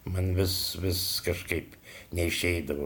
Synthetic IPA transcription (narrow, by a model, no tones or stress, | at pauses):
mɐnʋʲɪsʋʲɪskɐʃkɐɪpnʲɛɪʃʲɛɪd̪ɐʋo